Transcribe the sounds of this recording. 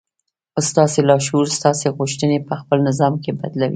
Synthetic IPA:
st̪ɑselɑʃuɾst̪ɑseɣʊʃt̪ənepəxpəlnɪzɑmkeba̰d̪lawḭ

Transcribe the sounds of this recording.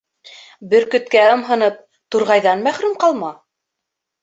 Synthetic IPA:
bɘɾkɵ̆t̪kæɤ̆mɦɤ̆nɤp̚ | t̪uɾʁɑjðɑnmæχɾʉmqɑlˠmɑ

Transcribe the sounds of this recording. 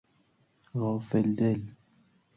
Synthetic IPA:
ɣɔfɛldɛl

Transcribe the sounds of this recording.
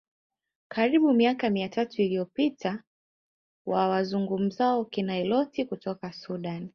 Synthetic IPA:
kaɾiɓumiakamiatatuilijɔpitʰa | wawazuŋɡum̩zaɔkinaɛlɔtikutɔkasuɗan

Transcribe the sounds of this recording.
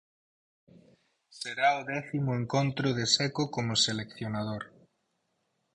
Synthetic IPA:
seɾaʊðɛθimʊeŋkont̪ɾʊðesɛkokomʊselekθjonað̞oɾ

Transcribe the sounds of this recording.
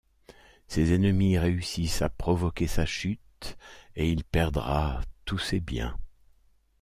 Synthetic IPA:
sezɛnəmiʁeysisa̰pχɔvɔkʲesaʃyt̪eilpɛʁd̪ʁa̰t̪usebjɛ̰̃

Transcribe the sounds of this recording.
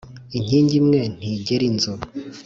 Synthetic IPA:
iɲ̥iːɲɟimŋe̞n̥iɟeɾinzo

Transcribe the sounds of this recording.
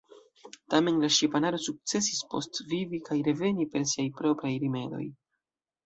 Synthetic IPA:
tame̞nlaʃipanaɾo̞suk̚t͡se̞sispo̞̰stvivikajɾe̞ve̞nipe̞ɾsiajpɾo̞pɾajɾime̞do̞̰j

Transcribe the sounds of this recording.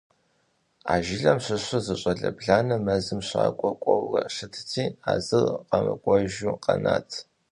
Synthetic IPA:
aːʒɪɮɐmɕʊɕʷʊzɨɕʼɐɮɐbɮaːnɐmɐzɨmɕʷaːkʷʼɔkʷʼɔwrɐʂɨtʰt͡sʰiːaːzɨlqɐmɐ̰kʷʼɔʒuqɐna̰ːtʰ

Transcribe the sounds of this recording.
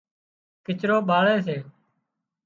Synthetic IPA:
kɪt͡ʃɾoːɓaːɭeːs̬eː

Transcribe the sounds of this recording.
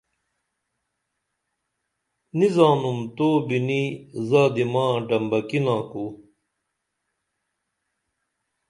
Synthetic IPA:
nizãːnumt̪oːbinizaːd̪imãːɖɐmbɐkinãːku

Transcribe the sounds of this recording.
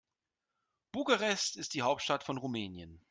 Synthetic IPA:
b̥uːɡaʁɛstɪst̚d̥iːɦaʊp̚tʃtatfɔnʁumɛːnjən

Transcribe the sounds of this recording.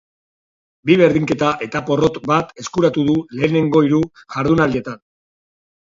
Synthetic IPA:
biβe̞ɾðiŋke̞t̪aʔe̞t̪apo̞ro̞t̪bat̪e̞skuɾat̪uðule̞ːne̞ŋɡo̞iɾuʝaɾðunalie̞t̪an

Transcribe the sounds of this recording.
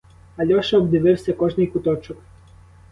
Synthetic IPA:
ɐlʲɔʃɐbd̪ɪʋɪwsʲɐkɔʒnɪjkʊt̪ɔt͡ʃɔk

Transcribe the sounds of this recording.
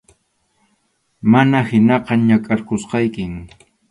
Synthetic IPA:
manahɪnɑqɑɲakʼaɾkosqɑjkɪm

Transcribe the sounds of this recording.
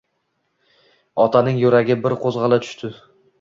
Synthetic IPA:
ɒt̪ʰanɪŋjʊɾaɡʲɪbɪɾqʰozʁɑlat̪ʰʊ̥ʃt̪ʰɪ

